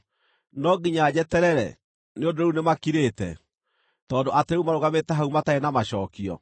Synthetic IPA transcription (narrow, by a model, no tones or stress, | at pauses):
nɔɡiɲad͡ʑɛtɛɾɛɾɛ̰ | neondoɾeunemakiɾetɛ | tɔːndoʔateɾeumaɾoɣametɛɦaumataɛnamaɕɔːkiɔ̰